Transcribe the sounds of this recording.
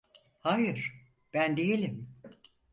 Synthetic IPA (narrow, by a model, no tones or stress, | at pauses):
hajɯɾ̥ | b̥ænd̪ejelʲim